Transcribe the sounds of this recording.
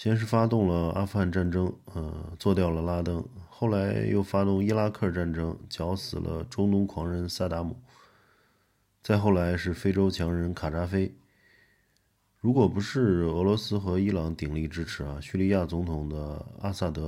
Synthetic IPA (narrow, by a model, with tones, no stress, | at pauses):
ɕjɛ˥nʂ̬ɻ̩˥˩fa˥t̪ʊ˥˩ŋlə˩a̰˥fu˧xa˥˧nʈ͡ʂa˥˩nʈ͡ʂɤ˥ŋə˧t͡swɔ˥˧t̪jɑ˥˩ʊlə˩la˥t̪ɤ˥ŋxo˥˩ʊla˧˥ɪjo̰˥˩ʊfa˥t̪ʊ˥˩ŋi˥la˥kʰɤ˥˧ʈ͡ʂa˥˩nʈ͡ʂɤ˥ŋt͡ɕjɑ˧˥ʊsɹ̩˨˩lʔə̰˦ʈ͡ʂo˥ŋnʊ˧˥ŋkʰwɑ˧˥ŋɻə˧˥nsa˥˩t̪a˧˥mu˨˩˦ | t͡sa˥˧ɪxo˥˩ʊla˧˥ɪʂɻ̩˥˩fe˥ɪʈ͡ʂo˥ʊt͡ɕʰjɑ˧˥ŋɻə˧˥nkʰa˨˩ʈ͡ʂa˥fe˥ɪ | ɻu˧˥kwɔ˨˩pu˧˥ʂɻ̩˥˩ɤ˧˥lwɔ˧˥sɹ̩˥xɤ˧˥i˥lɑ˧˥ŋt̪i˨˩ŋli˥˩ʈ͡ʂɻ̩˥ʈ͡ʂʰɻ̩˨˩a˧ɕy˥˧li˥˧ja˥˩t͡sʊ˧˥ŋt̪ʰʊ˨˩ŋd̪ə˦a̰˥sa˥˩t̪ɤ˧˥